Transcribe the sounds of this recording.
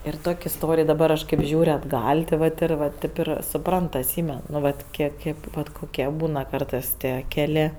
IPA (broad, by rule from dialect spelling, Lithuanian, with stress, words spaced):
ɪr ˈtoːkʲ ɪsˈtoːrʲɪj dɐˈbɐr ˈɐʃ ˈkʲeːp ˈʒʲuːrʲ ɐdˈɡɐlʲ tʲɪ ˈʋɐt ɪr ʋɐ ˈtʲeːp ɪr sʊˈprɐnt ɐtʲˈsʲiːmʲɛn nʊ ˈʋɐt ˈkʲiɛk ˈkʲeːp ʋɐt ˈkoːkʲiɛ ˈbuːnɐ ˈkɐrtɜs ˈtʲiɛ ˈkʲæːlʲeː